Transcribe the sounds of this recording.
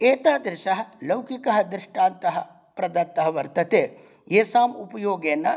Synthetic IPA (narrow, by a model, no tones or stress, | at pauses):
eːt̪aːd̪ɾɪʃɐɦɐlɐwkikɐɦɐd̪ɾɪʂʈaːnt̪ɐɦɐ | pɾɐd̪ɐt̪ːɐɦɐʋɐɾt̪ɐt̪eː | eːsaːmupɐjoːɡeːnːɐ